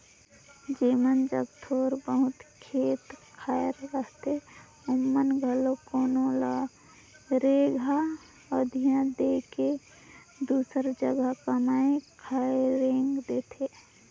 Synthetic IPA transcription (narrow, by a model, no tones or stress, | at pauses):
d͡ʒiːmənd͡ʒəkt̪ʰoːɾbəɦʊt̪kʰeːt̪kʰaːjɾəst̪ʰe | ʊmːənɡʱəlokoːnola | ɾeɡʱa | ɔd̪ʱijãd̪eke | d̪uːsəɾd͡ʒəɡəkəmaːẽkʰaeɾẽːŋɡd̪eːt̪ʰe